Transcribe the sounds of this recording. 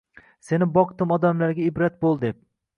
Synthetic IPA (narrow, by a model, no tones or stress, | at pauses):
se̞nɪbɒqt̪ɪmɒd̪amlaɾɡʲaɪbɾat̪̚bolˠd̪ep̚